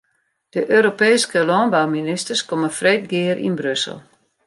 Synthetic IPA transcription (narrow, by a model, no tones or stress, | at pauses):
d̥əʔøːɾopɛːskəlɔnbawminɪstərskoməfreːt̚ɡɪəɾʔḭnbrøsə̰lˠ